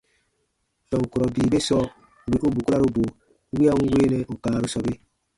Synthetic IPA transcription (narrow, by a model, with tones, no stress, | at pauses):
tɔ˨ŋ˨ku˨ɾɔ˨biː˨be˦sɔ˦˨ | wi˨ʔu˦bu˨ku˦ɾa˦ɾu˦bo˨˦ | wi˦a˦ŋ̩˦weː˦nɛ˦ʔo˨kãː˦˨ɾu˦sɔ˦be˦